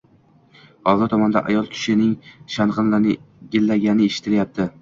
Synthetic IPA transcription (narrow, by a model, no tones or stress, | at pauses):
hɒzɪɾt̪ʰɒmɒnd̪a̰ʔa̰jɒlˠkʲʰʊ̥ʃɪnɪŋʃanʁɨnlanɪ | ɡʲɪlːaɡʲanɪeʃɪ̥t̪ʰɪljap̚t̪ʰɪ